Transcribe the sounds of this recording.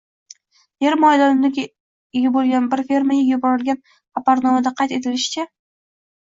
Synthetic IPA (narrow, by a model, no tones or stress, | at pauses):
jeɾmɒjd̪ɒnɪmd̪ɪɡʲ | ɪɡʲabolˠɡʲanbɪɾfe̞ɾmajaɡʲjʊbɒɾɪlɡʲan | apaɾnɒmad̪aqʰɑjt̪e̞t̪ʰɪlɪʃɪ̥t͡ʃʰa